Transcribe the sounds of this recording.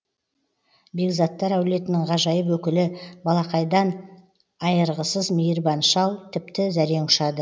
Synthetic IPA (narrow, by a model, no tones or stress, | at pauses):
be̞ɡzɑt̪ːɑɾæwle̞t̪ɪnɪŋʁɑʒɑjəpwɵkʲɪlɪbɑlˠɑqɑjd̪ɑn | ɑjəɾʁəsəzmijəɾbɑnʃɑlˠt̪ʰɪp̚t̪ɪzæɾe̞ɴʊʃɑd̪ə